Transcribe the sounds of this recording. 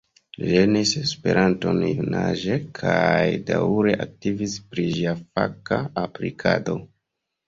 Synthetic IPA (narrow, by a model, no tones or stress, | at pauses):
lenisespe̞ɾʔanto̞njunaʒekʰajdaɾe̞ʔak̚tivispɾiʒiafakaaplḭkʰado̞